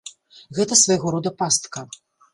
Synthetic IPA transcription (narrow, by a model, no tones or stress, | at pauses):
ɣɛt̪ɐsvɐjɣɔɾɔd̪ɐpast̪kɐ